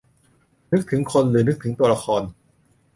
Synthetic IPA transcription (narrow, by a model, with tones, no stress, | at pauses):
nɯ˥k̚t̪ʰɯ˩˦ŋkʰo˧nɾɯː˩˦nɯ˦˥k̚t̪ʰɯ˩˦ŋt̪uː˧ɐɾa˧kʰɔː˧n